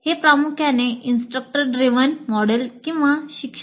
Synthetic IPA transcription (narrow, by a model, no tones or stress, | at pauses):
hepɾamukʰjaneʔinsʈɾək̚ʈəɾɖɾiʋənmɔɽəlkĩw̃ʋaɕikʂə